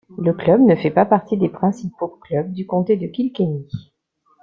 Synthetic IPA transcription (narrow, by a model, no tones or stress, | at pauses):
ləklœbnəfɛpapaʁt̪id̪epχɛ̃sipoklœb̚d̪ykɔ̃t̪ed̪əkʲilkeni